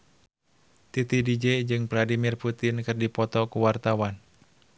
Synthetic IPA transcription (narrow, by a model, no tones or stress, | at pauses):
t̪it̪idid͡ʒɛd͡ʒɨŋvladimirput̪ɪnkɨrdipɔt̪ɔkuwart̪awan